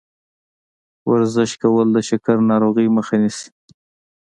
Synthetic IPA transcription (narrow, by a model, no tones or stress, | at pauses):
wa̰ɾzɪʃkawəld̪əʃakaɾnɑɾoɣiməxanisi̥